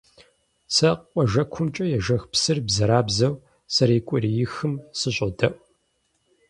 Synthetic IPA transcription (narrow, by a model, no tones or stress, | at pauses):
sʰɐqʷʼɔʒɐkʷʰʊmt͡ʃʼɐjɛʒɐxpsɨrbzɐɾaːbzɐw | sɐɾeːkʷʼʊɾijɪxɨmsɨɕʼdɐʔ